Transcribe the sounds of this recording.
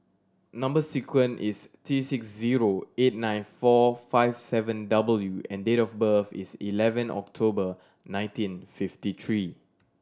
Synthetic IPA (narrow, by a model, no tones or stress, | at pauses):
nãmbəsikʰwə̃nʔist̪ʰɹisiksziɹoet̚nãɪ̃nfɔfaɪvsɛvə̃ndabəljuɛ̰̃ndetɔfbəfḭsḭlɛvə̃nʔɔ̰k̚tʰobə | nãɪ̃ntĩnfiftit̪ʰɹi